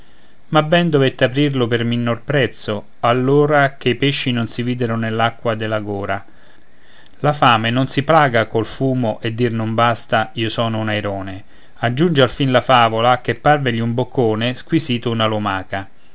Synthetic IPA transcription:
mabːɛnd̪ovet̪ːapɾirlʊpɪrminːorpɾɛt̪sːʊ | alːoːɾak̟eipeʃːinʊnsiviːd̪ɪɾʊnelːakːwad̪ɪlaɡoːɾa | lafaːmenʊnsiplaːɡakolfuːmʊʔed̪ːirnʊmbast̪aiːosɔːnʊunajɾɔːne | ad͡ʒːund͡ʒealfinlafaːvolakepːarveʎiumbokʰːoːnɪskwisiːt̪ʊunalomaːka

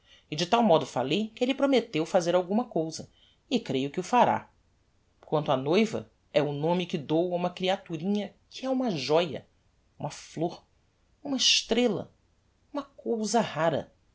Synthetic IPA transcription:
ɪd͡ʒɪt̪awmɔd̪ʊfalejkɪelɪpɾomet̪ewfazeɾawɡũmɐkowzɐ | ɪkɾejʊkɪʊfaɾa̰ | kwɐ̃nt̪ʊanojvɐ̰ | ɛʊnõmɪkɪd̪owaũmɐkɾiat̪uɾĩɲɐkʰɪɛũmɐʒɔjɐ̰ | ũmɐfloɾ | ũmɐɪʃt̪ɾelɐ̰ | ũmɐkowzɐhaɾɐ̰

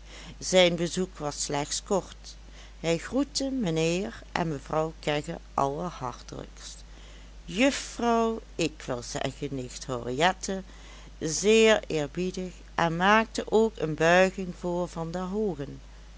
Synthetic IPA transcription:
z̥ɛjnbəzukʋɑsːlɛxtskɔɹt | hɛjxrutəmənɪːɹʔɛ̰nməvrɑwkɛɣə̰ʔɑ̰lˠəɹhɑ̰ɹtə̰lə̰kst | jɵfrɑwɪkʋɪ̰lˠz̥ɛ̰ɣənɪxthoriɛtʰə | zɪːɹɪːɹbidəx | ʔɛnmaːk̚təʔoːkənbœɥɣɪŋv̥ʊːɹvɑndəɦoːɣən

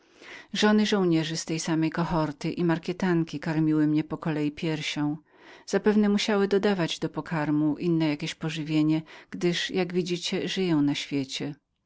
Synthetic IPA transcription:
ʐɔnɘʐɔ̃w̃ɲɛʐɘst̪ɛjsamɛjkɔxɔɾt̪ɘʔimaɾkʲɛt̪aŋkʲikaɾmʲiwɘmɲɛpɔkɔlɛjipʲjɛɾɕɔ̃w̃ | z̥apɛvn̪ɛmuɕawɘd̪ɔd̪avad͡ʑd̪ɔpɔkʰaɾmuʔinːɛjakʲeɕpɔʐɘvʲjeɲɛɡ̥d̪ɘʂjaɡvʲid͡ʑit͡ɕɛʐɘjɔ̃w̃naɕfʲjet͡ɕɛ

